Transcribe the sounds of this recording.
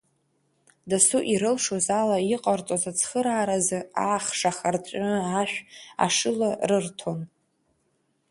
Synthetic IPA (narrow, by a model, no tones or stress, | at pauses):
dasuʔiɾɨlʂozalaiqʼart͡sʼozat͡sʰχəɾaːɾazɨaχʂaχart͡sʷʼaʃᶣa̰ʂɨlarɨrtʰon